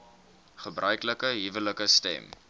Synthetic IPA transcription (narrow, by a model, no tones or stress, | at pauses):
χəbrœɥkləkəɦivələkəstɛ̰m